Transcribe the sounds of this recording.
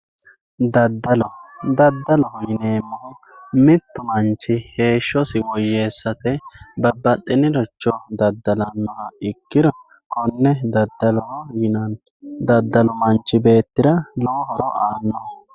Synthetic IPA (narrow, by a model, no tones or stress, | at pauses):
d̪ɐd̪ːɐlɔd̪ɐd̪ːɐlɔhɔjɪneːmːɔʊ | mɪt̪ːʊmɐnt͡ʃːɪhe̞ːʃːɔsɪwɔjːe̞ːsːɐt̪ɛbɐbɐɗʼːɪnɪlɔt͡ʃːɔd̪ɐd̪ːɐlɐnːɔɾɐɪkːɪɾɔ | kɔnːɛd̪ɐd̪ːɐlɔhɔjɪnɐn | d̪ɐd̪ːɐlɔmɐnt͡ʃːɪbe̞ːt̪ːɪd̪ɐlɔɦɔɾɔʔaːnːɔ